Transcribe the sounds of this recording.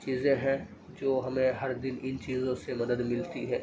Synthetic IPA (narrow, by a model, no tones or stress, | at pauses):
t͡ʃiːzẽɦɛ̃ | d͡ʒoːɦɐmẽɦɐɾd̪ɪnɪnt͡ʃiːzõsemɐd̪əd̪mɪlt̪iɦɛː